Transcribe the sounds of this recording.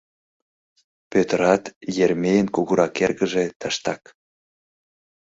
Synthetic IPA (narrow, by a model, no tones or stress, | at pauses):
pøt̪əɾɑt̪jermejənkuɣuɾʔɑkerɣəʒet̪əʃt̪ɑk